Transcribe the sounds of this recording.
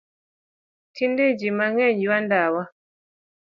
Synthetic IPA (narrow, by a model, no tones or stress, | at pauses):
tinded͡ʒimaŋɛɲd͡ʒiwandawa